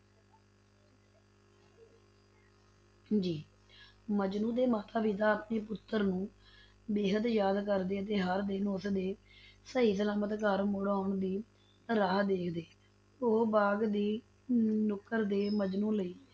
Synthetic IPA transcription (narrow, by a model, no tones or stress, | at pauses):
d͡ʒiː | məd͡ʒnũːd̪eːmaːt̪aːʋiːt̪aːaːpneːpʊt̪ːəɾnũː | beːɦəd̪jaːd̪kəɾd̪eːət̪̬eːɦəɾd̪eːnʊsd̪eː | səɦiːsəlaːmət̪kəɾmʊɽaːʊɳd̪iː | ɾaːɦd̪eːkʰd̪eː | oːbaːɡd̪iː | nʊkːəɾd̪eːməd͡ʒnũːləiː